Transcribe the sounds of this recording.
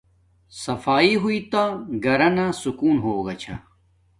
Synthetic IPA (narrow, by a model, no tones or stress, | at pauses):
sɐfaːiɦuit̪aɡɐɾɐnasukuːnɦoːɡɐt͡ɕʰɐ̰